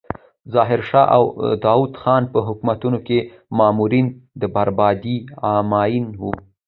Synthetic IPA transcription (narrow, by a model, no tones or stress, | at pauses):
zɑɦɪɾʃɑʔa̰wd̪ɑwud̪xɑnpəɦʊkmat̪unoke | mɑːmuɾind̪əbaɾbɑd̪iɑmɑjinwu